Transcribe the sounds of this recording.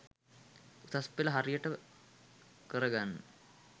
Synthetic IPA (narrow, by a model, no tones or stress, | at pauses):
ut̪aspːeləɦaɾijəʈə | kəɾəɡanːə